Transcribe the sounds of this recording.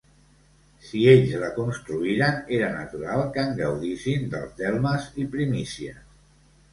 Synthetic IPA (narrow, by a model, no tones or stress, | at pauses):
sieʎzləkunst̪ɾuiɾəneɾənə̰t̪uɾalˠkəŋɡəwðisind̪ə̰lˠzd̪ɛlˠməzipɾimisiə